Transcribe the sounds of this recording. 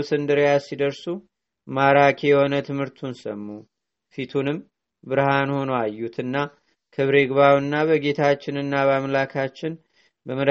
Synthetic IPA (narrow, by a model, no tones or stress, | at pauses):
sɨnd̪ɨɾjasid̪əɾsu | maɾakʰejɛho̞nət̪ʰɨmhɨɾt̪ʰunsəmːu | fit̪ʰunɨm | bɨɾhanho̞nowajːut̪ʰɨnːa | kʰɨβɾe̞ɡβawɨnːaβəɡe̞t̪ʰat͡ʃːɪnɨnːaβamlakʰat͡ʃːɪn | bəməd̪